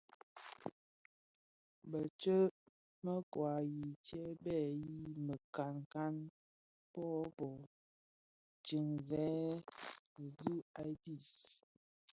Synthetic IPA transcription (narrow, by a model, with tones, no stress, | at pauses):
bə˨t͡ʃə˦ | mə˦kwa˨ji˨tjɛ˦bɛ˦˨ji˦mə˨ka˨ŋka˦n | pɔ˦pɔ˨ | t͡ʃi˨ŋzɛ˨˦˨ | du˦a˦di˦˨s